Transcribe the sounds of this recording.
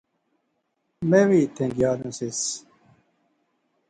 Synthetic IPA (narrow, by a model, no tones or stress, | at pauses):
mewit̪ʰẽŋɡjɑːd̪ũsis